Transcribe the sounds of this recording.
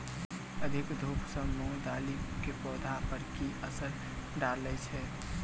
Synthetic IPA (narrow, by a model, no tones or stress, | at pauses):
əd̪ʱikd̪ʱupsə̃mɔd̪alikepɔːd̪ʱapəɾkiəsəɾ | ɖaɾlɛt͡ʃʰɛ